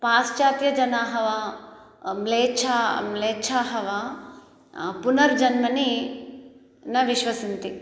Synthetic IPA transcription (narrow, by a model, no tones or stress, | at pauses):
paːst͡ʃaːt̪jɐd͡ʒɐnaːɦɐʋa | mleːt͡ʃʰamleːt͡ʃʰaːɦɐʋa | punɐɾd͡ʒɐnmɐni | nɐʋiʃʋɐsint̪i